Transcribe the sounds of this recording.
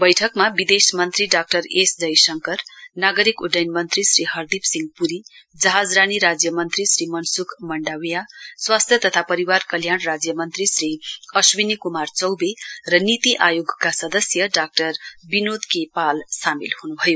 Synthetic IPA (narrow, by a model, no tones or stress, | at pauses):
bʌjʈʰʌkmabid̪esmʌnt̪riɖak̚ʈʌɾesd͡zʌjsʌŋkʌrnaɡʌɾikuɖʌjnmʌnt̪risriɦʌrd̪ipsiŋɡpuɾid͡zʌɦad͡zraniɾad͡zjʌmʌnt̪risrimʌnsukmʌɳɖawjaswast̪ʰjʌt̪ʌt̪ʰapʌɾiwarkʌljanrad͡zjʌmʌnt̪risriʌswinikumart͡sʌwberʌnit̪iʔajoɡkasʌd̪ʌsjʌɖak̚ʈʌrbinod̪kepalsamilhunubʱʌjo